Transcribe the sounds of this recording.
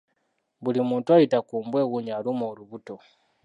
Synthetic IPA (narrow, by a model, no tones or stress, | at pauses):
βulimuːntuajitakuːmbwe̞ɣuɲalumoːluβuto̞